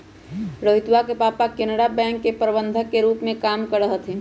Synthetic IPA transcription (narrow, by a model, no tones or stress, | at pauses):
ɾəɦɪt̪wakepaːpakenəɽabɛ̃ːŋkːepɾəbə̃nd̪ʱəkːeɾuːpmẽkaːmkəɾəɦət̪ʰɦe